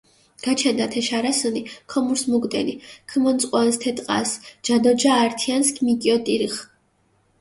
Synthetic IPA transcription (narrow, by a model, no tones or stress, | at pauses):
ɡ̥at͡ʃʰɛnd̪at̪ʰɛʃaɾasunikʰɔmuɾsmuɡd̪ʼɛnikʰmɔnt̪sʼqʼwanst̪ʰɛt̪ʼqʼa̰sd͡ʒad̪ɔd͡ʒaːɾt̪ʰianskʰʼmikʼiɔt̪ʼiɾiχ